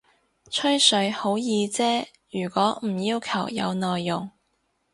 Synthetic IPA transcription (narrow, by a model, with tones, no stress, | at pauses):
t͡ʃʰɵ˥ɥsɵ˨˥ɥho˨˥wjiː˨˧t͡sɛː˥ | jyː˨˩kʷɔː˨˥m̩˨˩jiː˧wkʰɐ˨˩wjɐ̰˨˧wnɔː˨jːʊ˨˩ŋ